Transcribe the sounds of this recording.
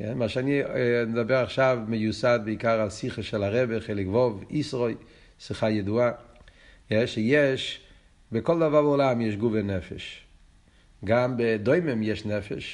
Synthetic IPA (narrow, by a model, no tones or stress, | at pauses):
kɛ̰nmaʃaninɪd̪abɛɾaχʃavməjusad̚bɪikaɾasiχəʃɛlˠaɾɛbəχeɪlˠɪkvɔvisʁoɪ | siχajɪdua | jɛʃɪjɛʃ | bɪkɔlˠd̪avabɛʊlamjɛʃ̬ɡuvenɛfɛ̰ʃ | ɡambɪdoɪmɪmjɛʃnɛfɛ̰ʃ